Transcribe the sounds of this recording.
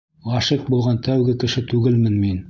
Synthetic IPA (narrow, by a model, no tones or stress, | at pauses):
ɑʃɤq̚bulˠʁɑnt̪ʰæwɡɘkɘ̆ʃɘt̪ʉɡɘlmɘnmin